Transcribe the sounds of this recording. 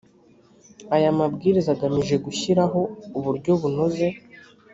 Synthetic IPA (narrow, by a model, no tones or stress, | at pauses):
ajamabɡiːɾizaɡamiʒe̞ɡuçiɾaɦo̞uβuɾɟo̞βuno̞ze̞